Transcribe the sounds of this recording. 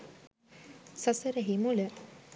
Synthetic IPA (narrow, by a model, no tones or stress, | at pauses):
sɐsəɾəɦimulə